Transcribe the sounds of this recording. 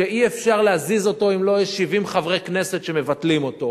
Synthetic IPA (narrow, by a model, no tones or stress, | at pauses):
eiefʃaʁleazizo̞to̞imlo̞jeʃːivimχavʁekne̞se̞tʃeme̞vatlimo̞to̞